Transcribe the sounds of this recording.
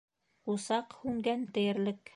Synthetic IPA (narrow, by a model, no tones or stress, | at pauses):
qusɑqhʉŋɡænt̪ɘ̆jɘ̆ɾlɘk